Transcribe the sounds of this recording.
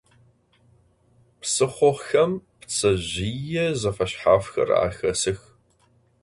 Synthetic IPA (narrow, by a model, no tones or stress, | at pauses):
psɨχʷɔxɐmpt͡sʰʼɐʑijɛzɐfɐɕħaːfxɐ̰ra̰ːxɐsɨx